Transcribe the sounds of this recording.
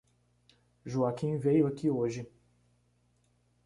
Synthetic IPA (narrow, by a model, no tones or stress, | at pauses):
ʒuakĩvejʊakioʒɪ